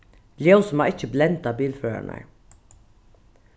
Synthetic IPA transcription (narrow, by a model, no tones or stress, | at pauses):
ljɛʊsmɑːɪçəblɛnt̪ɑbiːlføːə̰ɳə̰ɹ